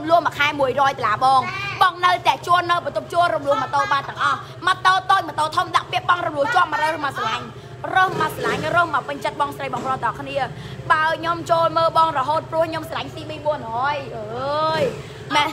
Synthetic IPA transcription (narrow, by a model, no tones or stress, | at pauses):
mlʊəhməkʰaɛmuəjrɔːjt̪olaːɓɑːŋɓɑŋnɨwt̪ɛ̆ət͡ɕuəlnɨwprɑt̪up̚t͡ɕuəlromluəhmət̪oːɓaːt̪ːɛəŋʔɑh | mat̪oːt̪oːc̚mət̪oːt̪ʰomɗaʔpiək̚ɓɑŋrɔmluəht͡ɕŏəp̚məɾəwrɨhmasalaɲ | rəːhmasalaŋrəːhmawpɨɲt͡ɕət̪̚ɓɑːŋsrəjɓɑŋproːt̪ɑkʰniə | ɓaəɲomt͡ɕoːlməːlɓɑːŋrɔɦoːt̪̚prʊ̆əhɲomsalaŋsiːɓiːɓuənhɔːjʔəːj | mɛn